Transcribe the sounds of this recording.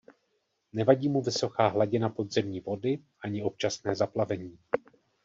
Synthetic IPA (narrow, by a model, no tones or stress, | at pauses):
nɛvaɟiːmuvɪso̞kaːɦlaɟɪnapo̞dzɛmɲiːvo̞dɪʔaɲɪo̞p̚t͡ʃasnɛːzaplavɛɲiː